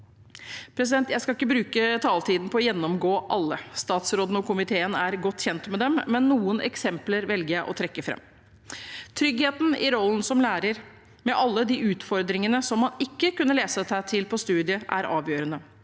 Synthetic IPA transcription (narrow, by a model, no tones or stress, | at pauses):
pʰɾɛs̬ɪd̪ɛnt̪jæɪskɑlɪkːəbɾʉːkət̪ʰɑːlt̪ʰiːd̪n̩pʰɔɔjɛnːɔmɡoːʔɑlːəst̪ɑːt̪sɾoːd̪n̩ɔkʊmɪt̪ʰeːənæɾɡɔt̪ːçɛnt̪mɛd̪ɛmːɛnːuːənʔɛ̰ksɛmpləɾʋɛlɡəjæɪʔɔt̪ʰɾɛkːəfɾɛ̰mː | t̪ʰɾʏɡheːt̪n̩ɪ̰ɾɔlːən̩sɔmlæːɾəɾ | mɛʔɑlːəd̪iːʉːt̪fɔɾd̪ɾɪŋənəsɔmhɑnɪkːəkʉnːəleːsət̪ʰæt̪ʰɪlpʰɔst̪ʉːd̪ɪəʔæ̰ɾɑ̰ːʋjøːɾənə